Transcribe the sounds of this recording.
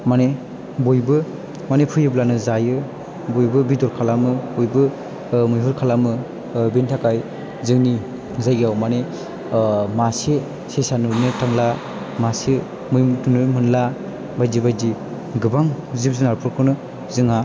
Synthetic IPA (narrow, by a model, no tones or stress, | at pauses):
mane | bojbɯ | manepʰɯjɯblanɯzajɯ | bojbɯbidɔɾkʰalamɯojbɯ | mɯjɦɯɾkʰalamɯ | bintʰakaj | zɯŋni | zajɡijawmane | masi | sesanɯnetaŋla | masi | mɯjtunɯmɯnla | bajdibajdi | ɡɯbaŋ | zip̚zɯnaɾpʰɯɾkʰɯnɯ | zɯŋa